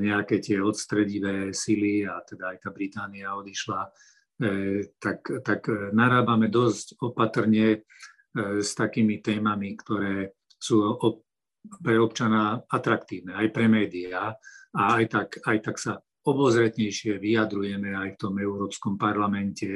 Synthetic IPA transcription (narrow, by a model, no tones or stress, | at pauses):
ɲɛakɛːt̪ɪɛɔt̪st̪ɾɛɟiʋɛːsiliat̪ɛd̪aːjt̪aːbɾit̪aːniaɔd̪iʃla | t̪akt̪aknaɾaːbamɛd̪ɔscɔpat̪r̩ɲɛ | st̪akiːmit̪ɛːmamikt̪ɔɾɛː | suːɔ | pɾɛɔpt͡ʃanaat̪ɾakt̪iːʊnɛajpɾɛmɛːd̪iaaːjt̪akajt̪aksa | ɔbɔzɾɛt̪ɲɛjʃɪɛʋijad̪ɾujɛmɛajft̪ɔmɛʊɾɔːpskɔmpaɾlamɛncɛ